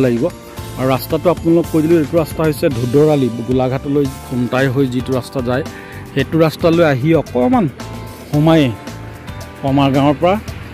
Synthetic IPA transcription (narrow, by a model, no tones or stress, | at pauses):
laɡibɔ | aɹuɹastatʊapʊnalʊkːojdilekʊɹastaɦojsɛdʱudɔɹaliɡulaɡʱatɔlojkuntajɦojzitʊɹastazaj | xetʊɹastalojaɦiɔkɔman | xɔmajɛ | kɔmaɹɡãw̃ɔɹpɔɹa